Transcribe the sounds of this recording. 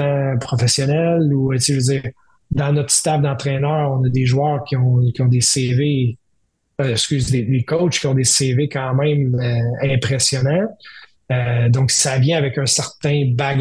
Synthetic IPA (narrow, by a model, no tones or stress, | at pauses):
ãpχɔfesjɔnɛluseʒød͡ziːʁ | d̪ɑ̃nɔt̪χst̪ab̚d̪ɑ̃t̪ʁɛnœːʁɔ̃nəd̪eʒwœːʁkʲiɔ̃kʲiɔ̃d̪eseve | ɛskʲyzd̪elekɔwt͡ʃkʲiɔ̃d̪esevekɑ̃ːmɛ̃møɛ̃pʁesjɔnã | ød̪ɔ̃ksavjɛ̃avɛkœ̃sɛʁt̪ɛ̃baɡ